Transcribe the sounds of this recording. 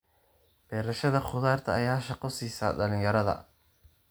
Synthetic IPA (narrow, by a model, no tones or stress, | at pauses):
b̥ɛːɾɐʃɐðɐχʊðaːrt̪ʰɐːjaːʃɑqɔsiːsɐ̰ɖɐlɪ̃ŋjɐɾɐðɐ̰